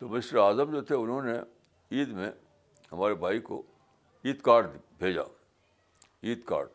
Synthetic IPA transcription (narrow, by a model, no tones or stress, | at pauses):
t̪omɪʃɾaːzəmd͡ʒoːt̪ʰeʊnɦõne | iːd̪mḛ̃ | ɦɐmaːɾebʱaːiko̰ | iːd̪kaːɾɖ̪bʱeːd͡ʒa̰ː | iːd̪ka̰ːɖ